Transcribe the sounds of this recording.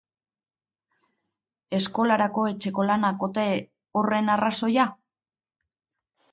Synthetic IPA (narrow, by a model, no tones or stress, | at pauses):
e̞sko̞laɾako̞e̞t͡ʃe̞ko̞lanako̞t̪e̞ | ore̞naraso̞ja